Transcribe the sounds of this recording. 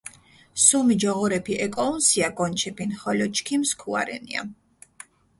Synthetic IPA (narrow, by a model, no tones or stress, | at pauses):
sumid͡ʒɔʁɔɾɛpʰiʔɛkʼɔunsiaɡɔnt͡ʃʰɛpinχɔlɔt͡ʃkʰimskʰua̰ɾɛ̰nḭa̰